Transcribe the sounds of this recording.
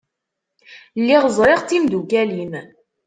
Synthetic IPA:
lːiʁzˤɾˤɪʁt̪ːimd̪uɡælim

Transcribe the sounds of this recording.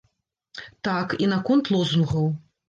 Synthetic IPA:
t̪akinakɔnt̪lˠɔznuɣɐw

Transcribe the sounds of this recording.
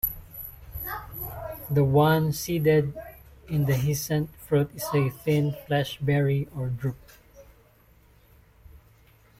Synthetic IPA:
d̪əwãnsid̪ɛd̪ɪ̃nd̪əɦɪsɛ̃nt̪fɹut̪ɪseθɪ̃nflɛʃbɛɹiɔɹd̪ɹup̚

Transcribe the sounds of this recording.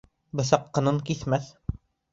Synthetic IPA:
bɤ̆sɑqːɤ̆nɤɴkiθmæθ

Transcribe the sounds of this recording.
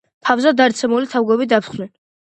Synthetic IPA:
pʰavzad̪aɾt̪sʰɛmulit̪ʰavɡwɛbid̪apʰt̪χnɛn

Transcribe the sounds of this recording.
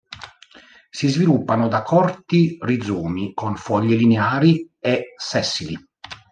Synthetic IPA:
sizvilupːanod̪akʰɔrt̪irid̪zuːmikonfɔʎːelineaːɾi | ɛsɛsːili

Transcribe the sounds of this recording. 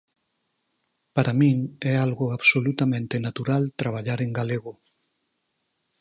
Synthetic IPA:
paɾʔamĩŋɛalɣoaβsolut̪amẽnt̪enat̪uɾalt̪ɾaβ̞aʎaɾeŋɡaleɣo

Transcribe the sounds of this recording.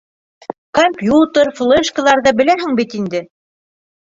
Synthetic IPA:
komʲpʲjut̪əɾflˠeʃkə̆ðˠɑɾðɤbɘ̆læɦɘŋbit̪ind̪ɘ

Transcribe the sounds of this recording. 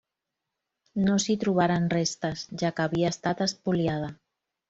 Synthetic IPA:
nosit̪ɾuβ̞aɾanrest̪azʒakaβiaest̪at̪aspuljað̞a

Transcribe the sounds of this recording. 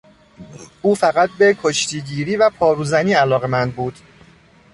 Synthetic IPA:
ʔuːfæɣæt̪̚ʰbe̞kʰo̞ʃt̪ʰiːɟiːɾiːvæpʰɒːɾuːzæniːælɒːɣe̞mænd̪̚buːd̪̥

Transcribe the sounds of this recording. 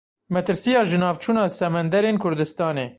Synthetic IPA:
mɛt̪ɨɾsijɑːʒɨnɑːvt͡ʃʰuːnɑːsɛmɛnd̪ɛɾeːnkʰʊɾd̪ɨst̪ɑːneː

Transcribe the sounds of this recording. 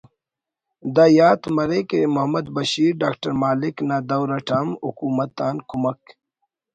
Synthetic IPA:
d̪ɐjaːt̪mɐɾekemuɦɐmɐd̪bɐɕiːɾɖaːkʈɐɾmaːliknad̪ɐwɾɐʈʰaːmṵkuːmɐt̪ːaːnkʰumɐk

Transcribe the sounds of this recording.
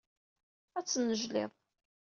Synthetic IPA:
æt͡sːənːəʒlɪ̰ðˤ

